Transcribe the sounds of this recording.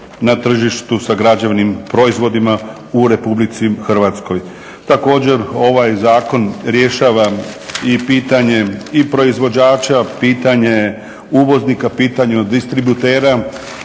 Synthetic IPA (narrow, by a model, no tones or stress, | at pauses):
nat̪r̩ʒiʃt̪usaɡɾad͡ʑeʋnimpɾo̞izʋo̞d̪ima | uɾe̞publit̪sixr̩ʋat̪sko̞j | t̪ako̞ːd͡ʑe̞ɾo̞ʋajzaːko̞nɾje̞ʃaːʋaipiːt̪aɲe̞ipɾo̞izʋo̞d͡ʑaːt͡ʃapiːt̪aɲe | uʋo̞znikapiːt̪aɲud̪ist̪ɾibut̪eːɾa